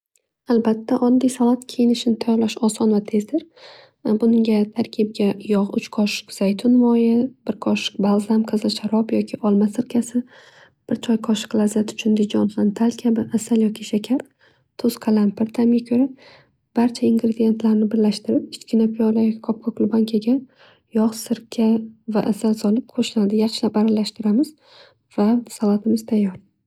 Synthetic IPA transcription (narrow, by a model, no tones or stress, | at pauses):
albat̪ʰːaʔɒnd̪ajsalˠat̪kʲʰejɪnɪʃɪnɪt̪ʰajɒʁlˠaʃɒsɒnvat̪ʰe̞zd̪ɪɾ | bʊnɪŋɡʲat̪ʰaɾkʲʰɪb̚ɡʲajɒʁʊ̰t͡ʃkʰɒʃɪ̥qz̥ajt̪ʰʊnvɒjɪb̥ɪɾkʰɒʃɪ̥qbalˠzamqʰɨzɪlʃaɾɒpjɒkʲʰɪʔɒlˠmasɪɾkʲʰasɪ | b̥ɪɾt͡ʃʰɒjkʰɒʃɪ̥qlˠazat̪ʰʊ̥t͡ʃʰʊnd̪ɪd͡ʒɒnχant̪ʰalkʲʰabɪʔasaljɒkʲɪʃakʲʰaɾ | t̪ʰoz̥kʰalampʰɪɾt̪ʰamɡʲakʲʰɵɾa | b̥aɾt͡ʃʰaɪŋɡɾed̪ije̞nt̪laɾnɪbɪɾlaʃt̪ɪɾɪpɪt͡ʃkʲɪnapʰijɒlajʲkʰɒp̚kʰɒklˠʊbaŋkʲʰaɡʲa | jɒχsɪɾkʲʰava̰ʔasalsɒlɪp̚qʰoʃɪnad̪ɪjɑχʃɪlapaɾalːaʃt̪ɪɾamɪz̥ | vasalat̪ʰɪmɪz̥t̪ʰajːɒɾ